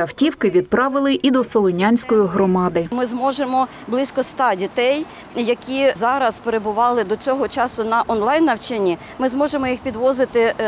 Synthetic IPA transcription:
ɐwtʲiwkɪʋʲid̪̚pɾɑʋɪlˠɪʔid̪ɔsɔlˠɔnʲanʲsʲkɔjiɦɾɔmɑd̪ɪmɪzmɔʒemɔ | blˠɪsʲkɔst̪ɑdʲit̪ɛj | jɐkʲizɑɾɐspeɾebʊʋɑlˠɪd̪ɔt͡sʲɔɦɔt͡ʃɑsʊnɐʔɔnlˠɑjnːɐwt͡ʃenʲi | mɪzmɔʒemɔjixpʲid̪ʋɔzɪt̪ɪ

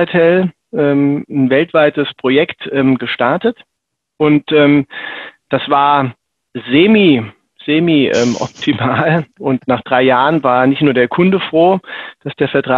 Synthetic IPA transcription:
tʰɛl | ʔɛːmn̩vɛltv̥aɪtəspʁ̥ojɛktʔɛːmɡəʃtaɐtət | ʔʊntʔɛːmd̥asv̥aːɐ | zeːmi | z̥eːmiːʔɛ̰ːmʔɔ̰p̚tʰimaːlʔʊntnaːχd̥ʁaɪjaːʁənvaːɐnɪçtnuːɐɾeːɐkʰʊndəfʁ̥oːd̥asd̥eːɐfɛɐtʁ̥aː

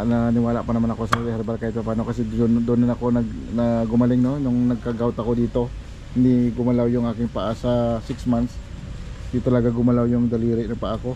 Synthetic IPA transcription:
nɐnɪwaːla̰ʔpɐnɐmanɐko̞sɛlɛhɐɾɐbɐɾkajɪt̪̚pɐpaːnokɐsɛnd̪onɐnɐko̞nɐɡnɐɡʊmɐlɪŋno̞nʊŋnɐɡ̚kɐɡawt̪ɐko̞d̪iːt̪o̞ | hɪnd̪iɡʊmɐlawjʊŋʔaːkɪŋpɐʔasɐsɪksmant̪s | hɪnd̪it̪ɐlɐɡaɡʊmɐlawjʊŋd̪ɐliːɾɪʔnɐŋpɐʔako̞

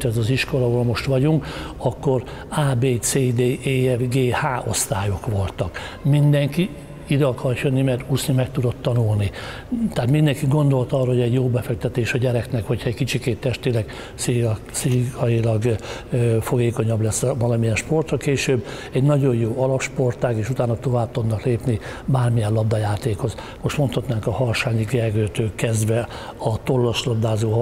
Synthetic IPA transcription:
t̪ɛzɒziʃko̞lɒɦoːlmo̞ʃt̪ʋɒɟuŋkɒkːo̞r | aːbeːt̪t͡seːd̪eːʔeːɛvɡeːhaːʔo̞st̪aːjo̞kʋo̞lt̪ɒk | mind̪ɛŋki | id̪ɛɒkɒrjønːimɛrt̪usnimɛkt̪ud̪o̞t̪ːɒnulni | t̪aːt̪mind̪ɛŋkiɡo̞nd̪o̞lt̪ɒrːɒɦoɛɟjoːbɛfɛk̚t̪ɛt̪eːʃɒɟɛɾɛknɛkhocʰhɒɛɟkit͡ʃikeːt̪ːɛʃt̪elɛɡ | si | siɒjilɒɡ | fo̞ɡeːko̞ɲɒblɛsːvɒlɒmijɛnʃpo̞rt̪rɒkeːʃøːbː | ɛɟnɒɟo̞jjoːɒlɒpʃpo̞rt̪aːɡeːʃut̪aːnɒt̪o̞vaːp̚t̪od̪nɒkleːpnibaːrmijɛlɒb̚d̪ɒjaːt̪eːkho̞z | mo̞ʃt̪mo̞nt̪hɒt̪naːŋkɒhɒrʃaːɲiɡɛrɡøːt̪øːkːɛzd̪ʋɛ | ɒt̪o̞rlːoʃlɒb̚d̪aːzoː

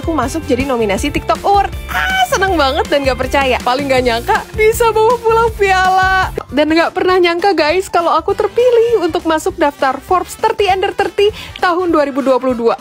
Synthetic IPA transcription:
kumasʊk̚d͡ʒadinominasit̪ɪk̚t̪ɔkʊrt̪asənəŋbaŋət̪̚danɡaʔpərt͡ʃajapalɪŋɡaʔɲaŋkabisabawapulaŋpialadanŋɡaʔpərnahɲaŋkaɡajskalawakut̪ərpilɪhunt̪ʊk̚masʊk̚daft̪arfɔrpst̪ərt̪iɛndərt̪ərt̪it̪aɦʊnduaɾibuduapuluhdua

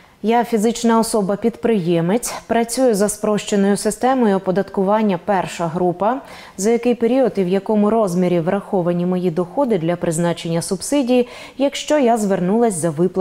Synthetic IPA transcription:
jafʲizɪt͡ʃnɐɔsɔbɐpʲid̪pɾɪjɛmet͡sʲpɾɐt͡sʲujʊzɐspɾɔʃt͡ʃenɔjʊsɪst̪ɛmɔjʊɔpɔd̪ɐt̪kʊʋɑnʲːɐpɛrʃɐɦɾupɐ | zɐjɐkɪjpeɾʲiɔd̪iwjɐkɔmʊɾɔzmʲiɾʲiʋɾɐxɔʋɐnʲimɔjid̪ɔxɔd̪ɪd̪lʲɐpɾɪznɑt͡ʃe̞nʲːɐsʊbsɪdʲiji | jɐkʃt͡ʃɔjazʋernulˠɐsʲzɐʋɪplˠ

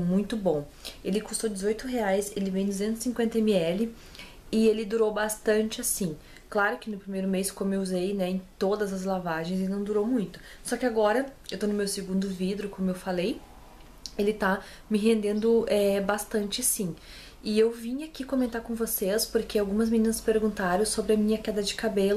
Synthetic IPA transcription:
mũj̃t̪ʊbõw̃ | elɪkust̪od͡ʒɪzojt̪ʊɦeajselɪvẽj̃d̪uzẽnt̪ʊzɪsĩkwẽnt̪ɐemɪɛlɪ | ɪelɪd̪uɾowbast̪ɐ̃nt͡ʃɪasĩ | klaɾʊkɪnʊpɾimejɾʊmeskõmeuzejnɛẽt̪od̪ɐzɐzlavaʒẽj̃zɪnɐ̃w̃d̪uɾowmũj̃t̪ʊ̥ | sɔkɪaɡɔɾɐewt̪onʊmewseɡũnd̪ʊvid̪ɾʊkõmʊewfalej | elɪt̪a | mɪɦẽnd̪ẽnd̪ʊɛbast̪ɐ̃nt͡ʃɪasĩ | ɪewvĩɲakikõmẽnt̪aɾkõvosespoɾkʰeawɡũmɐzminĩnɐspeɾɡũnt̪aɾɐ̃w̃sobɾɪɐmĩɲɐkɛd̪ɐd͡ʒɪkabelʊ

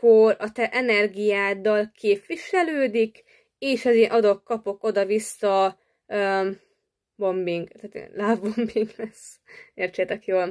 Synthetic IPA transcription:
korɒt̪ɛʔɛnɛrɡijaːd̪ɒlkʰeːpʋiʃɛløːd̪ik | eːʃɛzeːnʔɒd̪o̞kkɒpo̞ko̞d̪ɒvisːɒ | ø | bombiŋɡt̪aːt̪ḛlaːvbombiŋɡlɛseːrt͡ʃet̪ɛkjoːl

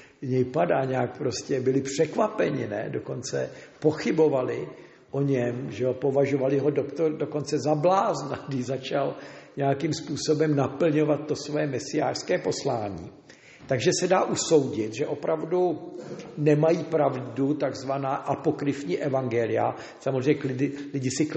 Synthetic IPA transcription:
ɲɛjpadaːɲɛak̚pɾo̞scɛbɪlɪpr̝̥ɛkvapɛɲɪnɛ̰do̞ko̞nt͡sɛ̰po̞xɪbo̞valɪ | ʔo̞ɲɛmʒɛopo̞vaʒo̞valɪɦo̞dokt̪ordoko̞nt͡sɛzablaːzna̰ɡdɪzat͡ʃalɲɛjakimspuːso̞bɛmnapl̩ɲo̞vat̪̚ːo̞svojɛmɛsɪja̰ːr̥skɛːpo̞slaːɲḭː | t̪aɡʒɛsɛdaːʔuso̞wɟɪt̪ʒɛʔo̞pɾavdu | nɛmajiːpɾavdut̪aɡzvanaːʔapo̞kɾɪfɲiːʔɛvaŋɡɛlɪja̰ | samozreɲɛklɪdɪlɪɟɪsɪk

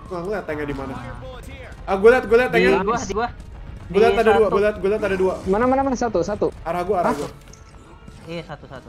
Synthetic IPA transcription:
kuaŋliat̪aŋɛdimana | aɡualiat̪̚ɡualiat̪aŋa | ɡualiat̪adaduaɡualiat̪̚ɡualiat̪adaduamanamanamanasat̪usat̪uaɾahɡuaːɾaɡua

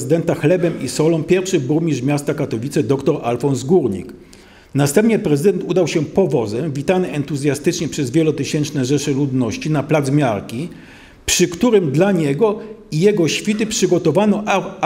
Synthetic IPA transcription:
zɘd̪ɛnt̪axlɛbɛmisɔlɔ̃w̃pʲjɛɾfʂɘbumʲiʐmʲjast̪akat̪ɔvʲit̪sɛd̪ɔkt̪ɔɾʔalfɔnzɡuɾɲḭk | nast̪ɛmpɲɛpɾɛzɘd̪ɛnt̪ud̪awɕɛpɔvɔzɛmvʲit̪anɛɛnt̪uzʲjast̪ɘt͡ʂɲɛpʂɛzvʲjɛlɔt̪ɘɕɛnt͡ʂnɛʐɛʂɘlud̪nɔɕt͡ɕinaplad̪zmʲjaɾkʲi | pʂɘkt̪uɾɘmd̪laɲɛɡɔijɛɡɔɕfʲit̪ɘpʂɘɡɔt̪ɔvanɔʔ

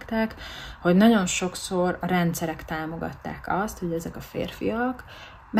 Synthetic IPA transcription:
kt̪ɛkho̞ɟnɒɟo̞nʃo̞kso̞rɒɾɛnt̪sɛɾɛkt̪aːmo̞ɡɒ̰t̪ːa̰ːkɒst̪ho̞ɟɛzɛkɒfḛːrfijɒk | m

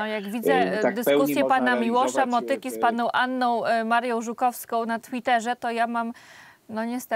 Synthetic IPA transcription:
ɔjaɡvʲid̪zɛd̪ɘskusʲjɛpanamʲiwɔʂamɔt̪ɘkʲispanɔ̃w̃ʔanːɔ̃w̃maɾjɔ̃w̃ʐukɔfskɔ̃w̃nat̪fʲit̪ɛʐɛt̪ɔjamam | nɔɲɛst̪ɛ

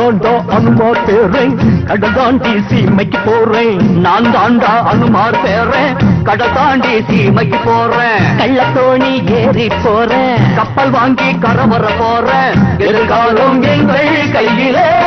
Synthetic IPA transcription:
aːnd̪aːʔɐnɯmaːɾpeːrẽkɐɽɐt̪aːnɖiːsimɐkːipːoːrẽnaːnd̪aːnd̪aːʔɐnɯmaːɾpeːrẽːkɐɽɐt̪aːnɖiːsimɐɪkːipːoːrẽːkɐɭːɐt̪ːoːnieːɾɪpːoːrẽːkɐpːɐlʋaːŋɡikɐɾɐʋɐrɐpoːrẽːɛɛɾɯkaːlɐmeŋɡɐkɐjːɪle

